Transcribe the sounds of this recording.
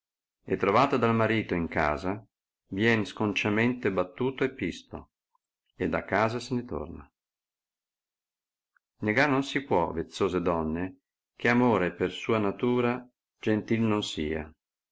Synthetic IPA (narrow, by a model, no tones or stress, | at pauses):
ḛt̪ːɾovaːt̪od̪almaɾiːt̪oiŋka̰ːza | vjɛnskont͡ʃament̪ebat̪ːuːt̪oepːist̪o̰ | ed̪ːakːaːzasenet̪o̰rna | neɡanonsipwɔvet̪sːoːzed̪ɔnːe | k̟eamoːɾepersuːanat̪uːɾa | d͡ʒent̪ilnonsiːa̰